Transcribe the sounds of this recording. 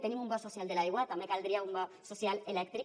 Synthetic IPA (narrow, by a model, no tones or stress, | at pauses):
t̪enĩmumbasosjald̪elaiɣwat̪amekald̪ɾiaumba | sosjalelɛk̚t̪ɾi